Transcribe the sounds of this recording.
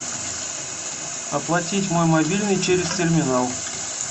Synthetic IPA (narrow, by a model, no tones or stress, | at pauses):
ɐplˠɐtʲitʲmo̞jmɐbʲilʲnɨjt͡ɕeɾʲɪstʲɪrmʲɪnalˠ